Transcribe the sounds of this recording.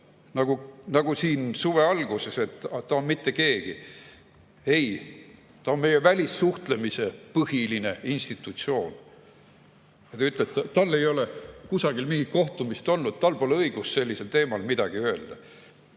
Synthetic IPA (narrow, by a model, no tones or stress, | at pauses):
nɑɡ̥unɑɡ̥usiːnsuve̞ɑlɡ̥use̞se̞t̪ːɑt̪ːɑonmit̪ːe̞ke̞ːɡ̥i | e̞j | t̪ɑonme̞je̞vælʲisːuht̪le̞mise̞pɤhiline̞inst̪it̪ːˑut̪sio̞ːn | jɑt̪ɑyt̪ːˑleb̪̚t̪ːt̪ɑlːe̞jo̞lekusɑɡ̥ilmiŋɡ̥it̪̚ko̞ht̪umist̪o̞lnud̪̥̚t̪ɑlpoːlɤiɡ̥usːe̞lʲːise̞lt̪e̞ːmɑlmid̪̥ɑɡ̥iø̞eld̪̥ɑ